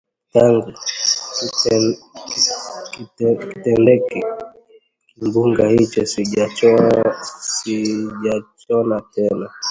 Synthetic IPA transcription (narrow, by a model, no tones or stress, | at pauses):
jaŋɡu | kitɛndɛkɛ | mbuŋɡahit͡ʃɔsiat͡ʃɔ | siʄat͡ʃɔnatɛna